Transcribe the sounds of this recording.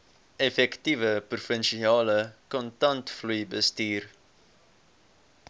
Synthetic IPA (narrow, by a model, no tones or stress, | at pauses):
ɛfɛktivəprufənʃiɑːləkɔntɐntflujbəstiːr